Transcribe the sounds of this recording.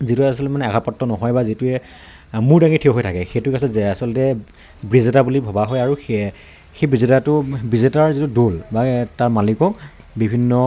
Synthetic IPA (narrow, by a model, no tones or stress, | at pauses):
zituɛasɔlmanɛaɡʱapɔtːɔnɔɦɔjbazitʊɛ | mʊɹdaŋitʰewɦojtʰakɛxejtʊkasɛasɔlɔtɛ | bɹizetabulibʱɔbaɦɔjaɹux | xejbizitatʊbizitaɹzitudolbataɹmalikɔk̚ | bibʱinːɔ